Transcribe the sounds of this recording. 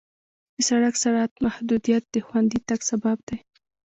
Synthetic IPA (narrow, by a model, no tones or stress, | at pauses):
d̪̥əsaɽaksaɽat̪mahd̪ud̪ijat̪̚d̪əxwand̪it̪aɡsabab̚d̪̥aj